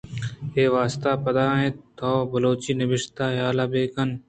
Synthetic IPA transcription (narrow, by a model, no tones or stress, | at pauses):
eːʋaːst̪aːpɐd̪aːɦẽːt̪ʰoːbɐloːt͡ʃiːnɪbɪʃt̪aːɦjaːlaːbeːkɐn